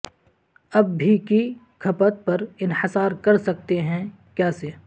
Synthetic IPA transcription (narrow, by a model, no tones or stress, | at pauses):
ɐbːʱiki | kʰɐpət̪̚pɐɾɪnħɪsaːɾkɐɾsɐk̚t̪eɦɛ̃ | kjaːseː